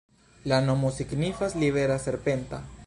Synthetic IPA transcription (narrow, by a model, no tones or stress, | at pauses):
lanomosiknifasliβeɾaseɾpent̪a̰